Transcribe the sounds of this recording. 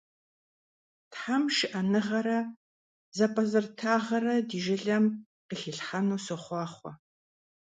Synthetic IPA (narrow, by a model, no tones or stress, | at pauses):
tħamʃɪʔɐnɨʁɐɾɐ | zɐpʼɐzɨrtʰaːʁɐrɐdiːʒɪɮɐm | qəɬɪɬħɐnuːsɨχʷɑːχʷɔ